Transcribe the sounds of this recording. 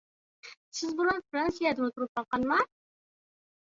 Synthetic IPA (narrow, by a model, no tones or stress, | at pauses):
sɪzbulɑnfɾɑnsijad̪ɨŋɨt̪ʰuɾɨp̚qɑqɑnmɑ